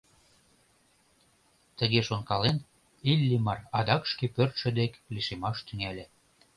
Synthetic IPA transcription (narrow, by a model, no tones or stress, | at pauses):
t̪əɣeʃonkɑlen | ilʲːimɑrɑd̪ɑkʃkepørt̪ʃə̆d̪ekliʃemɑʃt̪yŋælʲĕ